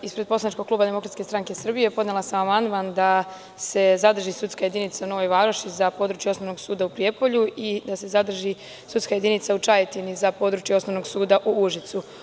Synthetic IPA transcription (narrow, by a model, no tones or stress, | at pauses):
ispɾepo̞slanit͡ʃko̥klˠuːbad̪e̞mo̞kɾat̪sket̪ɾaŋke̞sr̩bijepo̞d̪nelˠasamamand̪mand̪a | se̞zad̪r̩ʒisut̪skaje̞d̪init̪sauno̞ʋo̞jʋaːɾnoʃt̪izapo̞ːd̪ɾut͡ʃjeo̞snono̞ɡsuːd̪aupɾije̞po̞ʎuid̪ase̞zad̪r̩ʒi | sut̪skaje̞d̪init̪saut͡ʃajet̪inizapo̞ːd̪ɾut͡ʃjeo̞snoʋno̞ɡsuːd̪aʔuuʒit̪su